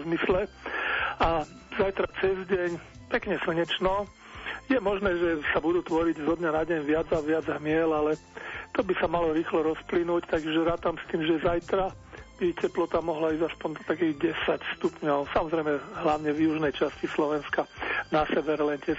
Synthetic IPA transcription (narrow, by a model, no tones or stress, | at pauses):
zmislɛ | a | zajt̪ɾat͡sɛzɟɛɲ | pɛkɲɛsɛɲɛt͡ʃnɔ | jɛmɔʒnɛːʒɛsabud̪uːt̪ʋɔɾiɟzɔd̪ɲanaɟɛɲʋɪad͡zaʋɪad͡zɦmɪɛlalɛ | t̪ɔbisamalɔɾiːxlɔɾɔsplinuːct̪aɡʒɛɾaːt̪amst̪iːmʒɛzajt̪ɾa | b̥icɛplɔt̪amɔɦlaiːzaspɔɲd̪ɔt̪akiːɣɟɛsacst̪upɲɔʊsamɔzɾɛjmɛɦlaʊɲɛvjuʒnɛjt͡ʃascislɔʋɛnskanasɛʋɛɾlɛncɛs